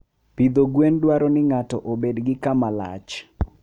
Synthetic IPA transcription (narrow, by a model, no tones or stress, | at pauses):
pid̪oɡwendwaɾɔnɪŋatɔʔobedɡɪkamala̰t͡ʃ